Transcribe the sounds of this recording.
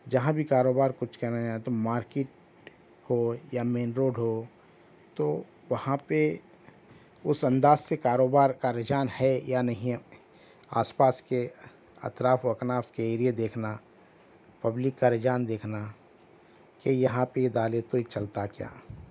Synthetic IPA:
d͡ʒɐɦãbʱikaːɾoːbaːɾkʊt͡ʃʰkɐnad͡ʒaet̪omaːɾkeʈ̚ | hojamẽːnɾoːɖɦo | t̪o | ʋɐhãpe | ʊsɐ̃nd̪aːzsekaːɾoːbaːɾkaɾɪd͡ʒaːnhɛjanɐɦĩ | a̰ːspaːske | ɐ̰t̪ɾaːfʰoɐknaːskeeːɾijed̪eːkʰna | pɐblɪkːaɾɪd͡ʒaːnd̪eːkʰna | kejɐɦãpejed̪aːlet̪oit͡ʃɐlt̪akja̰ː

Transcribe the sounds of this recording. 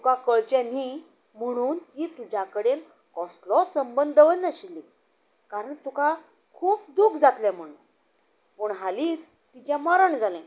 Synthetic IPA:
t̪ukakəɭt͡ɕẽni | m̤əɽ̃uːnt̪iːt̪ud͡ʑʱakəɽen | kɔsʈlɔsəmbənd̪ʱəʋənəɕilːi | kaɾəɳt̪uka | kʰuːp̚d̪ukʰd͡zat̪lɛ̃m̤əɽ̃uːn | pəɳɦaliːt͡s | t̪it͡ɕjãmaɾəɳd͡zalɛ̃

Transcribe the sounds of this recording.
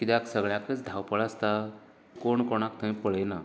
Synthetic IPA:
kid̪aksəɡɭjãkət͡sd̪ʱawpəɭast̪a | koɳkoɽ̃akt̪ʰə̃j̃pəɭəjna

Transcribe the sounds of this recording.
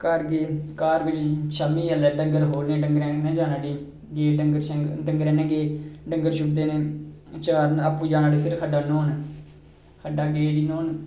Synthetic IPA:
kaɾɡeːkaːɾɡɪd͡ʒiʃamĩːəlɛːɖəŋɡəɾɦoːlnẽːɖəŋɡɾɛ̃ːnɛ̃ːd͡ʒaːnaːɽiː | ɡeːɖəŋɡəɾɖəŋɡɾɛ̃ːnɛ̃ːɡeːɖəŋɡəɾʃʊbd̪eːneːt͡ʃaːɾnapːũːd͡ʒaːnaːɖiːpʰɪɾkʰəɖaːnoːn | kʰəɖaːɡeːɖiːnoːn

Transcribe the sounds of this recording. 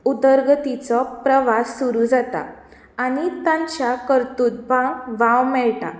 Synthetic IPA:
ud̪əɾɡt̪it͡sɔpɾəʋasːuɾud͡zat̪a̰ | aɽ̃it̪ãɲt͡ɕjakəɾt̪uːt̪̚bʱãʋãwmɛɭʈa̰

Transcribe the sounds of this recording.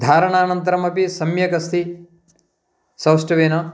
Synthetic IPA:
d̪ʱaːɾɐɳaːnɐnt̪ɐɾɐmɐpisɐmjɐkɐst̪ʰi | sɐwsʈɐʋeːnɐ

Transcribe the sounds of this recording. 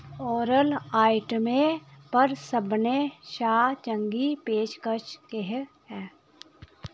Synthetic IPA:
ɔːɾəlaːɪʈəmẽpəɾsəbneʃaːt͡ʃə̃ŋɡipeːʃkət͡ʃkeɦɦɛː

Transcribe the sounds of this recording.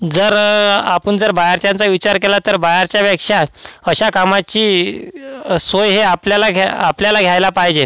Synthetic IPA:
d͡zəɾapəɳd͡zəɾbajaɾt͡ɕjãnt͡saʋit͡ɕaɾkelat̪əɾbajaɾt͡ɕjaʋjakʂaəɕakamat͡ɕiː | sojɦeapljalaɡapljalaɡʱjajlapaɦd͡ʑe

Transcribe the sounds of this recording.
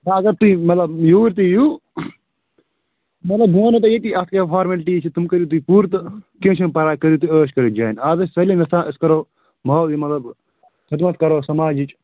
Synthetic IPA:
t̪ɐɐɡɐɾt̪uĩmɐt̪lɐbjuːɾt̪ijuː | mɐt̪lɐbɡoːnot̪ɐjeːkiʔɐt̪kefʰaːɾmɐlʈiːt͡ʃʰit̪umkəɾuːt̪uipuːɾt̪kẽːt͡ʃʰɐ̃ːpɐɾaːkɐɾuːt̪uəːʃkɐɾid͡ʒaːinaːzɐsʲsɐlinɪt̪ãːʔɪskɐɾoː | mɐimɐt̪lɐb | kʰɐt̪mɐt̪̚kɐɾoːsɐmaːd͡ʒit͡ʃ

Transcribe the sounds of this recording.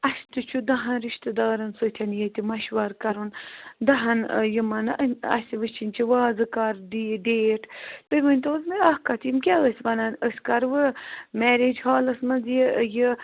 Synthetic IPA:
ɐsʲt̪ɨt͡ʃʰud̪ɐɦɐnɾiʃt̪ɨd̪aːɾɐnsɨt̪ʰʲɐnjet̪imɐʃʋaɾkɐɾund̪ɐɦɐnjimɐnɐ̰sʲiʋɨt͡ʃʰinʲt͡ʃʰiʋaːzɨkaɾd̪iɖeːʈʰt̪ɨjʋɐnʲt̪ozmiahkɐt̪ʰimkʲaəsʲʋɐnɐnəsʲkɐɾʋɨmɛɾed͡ʒhaːlɐsmɐnzjiji

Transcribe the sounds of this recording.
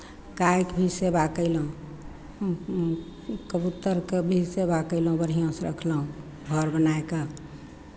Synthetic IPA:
kajkbʱisebakəɪlɦũ | kəbut̪əɾkebʱisebakəɪlũbəɽ̤ijãsɾə̰kʰləɦũ | ɡʱɔɾbənaeke

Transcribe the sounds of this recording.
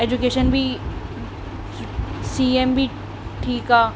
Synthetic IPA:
eːd͡ʒukeːʃənbʱi | siːembʱi | ʈʰiːkaː

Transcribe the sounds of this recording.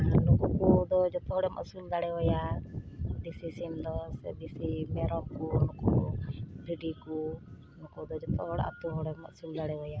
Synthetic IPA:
lukukud̪ɔd͡ʒɔt̪ɔɦɔɽɛmɔ̰ʔsuld̪aɽɛɦɔja | d̪isisimd̪ɔsɛd̪isimɛɾɔb̚kunɔkub̪ʱiɖiku | nɔkod̪ɔd͡ʒɔt̪ɔɦɔɽa̰t̪uɦɔɽɛmɔ̰ʔsuld̪aɽɛɦɔja

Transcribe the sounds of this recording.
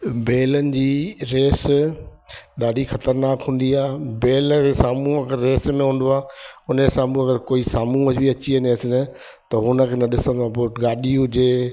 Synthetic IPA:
beːlənɪ̆d͡ʑiːɾeːs | ɗ̪aːɗixɐt̪əɾnaːkɦũːn̆d̪iaːbeːlesaːmũɐɡəɾːeːsmẽɦũːn̆d̪oaːʊnesaːmũɐɡəɾkoːisaːmũəbiɐt͡ɕiɐneɐsɪnə | t̪ɐɦʊnə̆kʰeːnɐɗɪsə̃nãboːʈɡaːɗiʊd͡ʑeː

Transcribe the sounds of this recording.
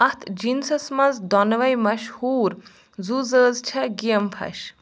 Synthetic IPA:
ɐt̪ʰd͡ʒinsɐsmɐnzd̪ɔnʋɐjmɐʃhuːɾ | zuzəːzt͡ʃʰɐɡijɐmpʰɐ̰ʃ

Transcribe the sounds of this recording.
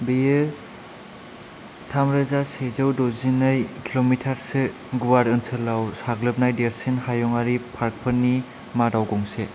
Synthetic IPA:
bijɯ | tʰamɾɯzasezɯwdɔzinɯjkʰilomitʰaɾsɯ | ɡuwaɾɯnsʰɯlawsaɡlɯp̚najdeɾsinɦajɔŋaɾipʰaɾk̚pʰɯnːi | madawɡɔŋse

